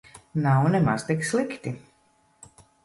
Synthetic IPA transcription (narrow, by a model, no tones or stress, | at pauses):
nawnɛma̰z̥t̪ikslˠikt̪i